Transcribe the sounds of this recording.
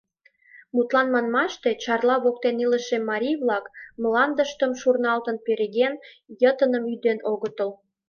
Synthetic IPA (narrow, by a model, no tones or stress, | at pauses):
mut̪lɑnmɑnmɑʃt̪e̽t͡ɕɑrlɑβok̚t̪eniləʃemːɑɾʲijβlɑkmlɑnd̪əʃt̪əmʃurnɑlt̪ənpeɾeɣen | jət̪ənəmyd̪enoɣət̪əl